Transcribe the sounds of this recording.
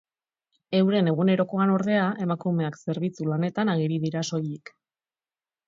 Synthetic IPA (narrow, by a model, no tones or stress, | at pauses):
e̞wɾe̞ne̞ɣ̞une̞ɾo̞ko̞ano̞ɾðe̞aʔe̞makume̞akse̞ɾβ̞it͡sulane̞t̪anaɣ̞iɾiðiɾaso̞jik